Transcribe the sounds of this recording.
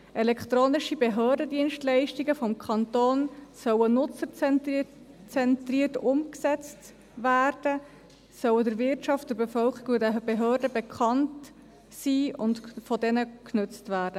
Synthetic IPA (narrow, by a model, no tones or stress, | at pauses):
ʔɛlɛkχt̪ɾoːnɪʃibeɦøːɾdədiənʃtlɛɪʃtiɡəfɔmkʰɑntoːnsœwənʊt͡səɾt͡s | t͡sɛntriːərtʊmksɛt͡st | væːrd̥ə | sœwədəɾvɪɾtt͡ʃɑftd̥əɾbefœlkiɡoŋdɛb̥eɦøːrdəbekʰχɑnt | siːʊntfɔdɛnəknʉt͡stvæːɾd̥ə